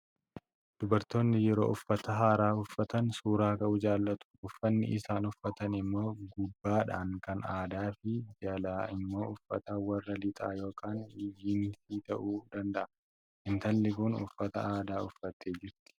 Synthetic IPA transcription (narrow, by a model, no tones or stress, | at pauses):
d̪̥ʊbɐɾt̪o̞ːnːɪjɛɾo̞̰ːʔʊfːɐt̪ɐɦaːɾaːʊfːɐt̪ɐnsuːɾaːkɐʔuːd͡ʒaːlːɐt̪ʊ̥ʊfːɐnːɪ̰ʔɪsaːnʊfːɐt̪ɐnɪmːo̞ːɡʊbːaːᶑɐ̰ʔŋkɐnaːd̪aːfɪd͡ʒɐlaɪmːo̞ːʊfːɐ̰t̪ɐwɐrːɐlɪt̪ʼa̰ːjo̞ːkʰʼaːnɪjiːnsit̪ɐʔuːd̪ɐnd̪ɐʔɐ | ɪnt̪ɐlːɪkʊnʊ̰fːɐt̪ɐ̰aːd̪aːʊfːɐt̪ːeːd͡ʒɪɾt̪ɪ̥